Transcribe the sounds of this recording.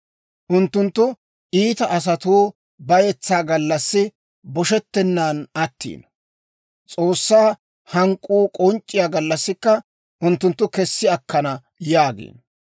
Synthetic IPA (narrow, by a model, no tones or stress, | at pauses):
ʔʊnt̪ːʊnt̪ːʊ | ʔiːt̪ɐʔɐs̬ɐt̪uː | bɐjɛt͡sːaːɡɐlːɐsːɪ | bɔʃɛt̪ːɛnːaːnɐt̪ːḭːn | t͡sʼo̞ːsːaː | hɐŋkʼːuːkʼɔnt͡ʃʼːɪjaːɡɐlːɐsːɪkːɐ | ʔʊnt̪ːʊnt̪ːʊkɛsːɪɐkːɐnɐ | jaːɡḭːn